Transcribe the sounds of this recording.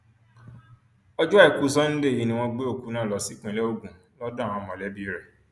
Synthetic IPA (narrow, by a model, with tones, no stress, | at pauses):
ɔ˦d͡ʒu˦˨ku˦s̬ɔ˦n̩˦de˦˨i˨˦nĩ˧w̃ɔ̃˧ɡ͡be˦o˦˨ku˨˦nãː˦˨lɔ˨˦si˦k͡pũ˦ɛ˨lɛ˦o˦˨ɡũ˨ | lɔ˦dã˦˨wɔ̃˨˧˨mɔ̃˨lɛ˨˦bi˦ɾɛ˨